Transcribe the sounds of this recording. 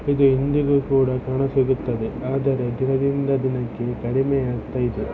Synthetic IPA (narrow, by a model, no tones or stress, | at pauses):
ɪðɯɪnd̪iɣɯkːuːɽɐkaːɳɐsɛɣɯt̪ːɐðɯaːðɐɾɐd̪ɪɾɐʋɪnd̪ɐd̪ɪnɐkːɯkɐɽɪmɐjaːt̪ːɐɪðɯ